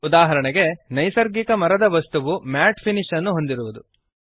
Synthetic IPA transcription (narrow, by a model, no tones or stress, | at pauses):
ud̪aːɦɐɾɐɳɛɡe̞nɐjsɐɾɡikɐmɐɾɐd̪ɐʋɐst̪uʋumaːʈpʰiniʂɐnːuɦo̞nd̪iɾuʋud̪u